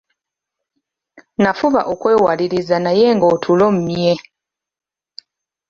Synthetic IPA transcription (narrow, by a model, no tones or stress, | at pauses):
nafuβa̰ʔokwe̞ːwaliɾizanaje̞ŋɡoːtʰulomumje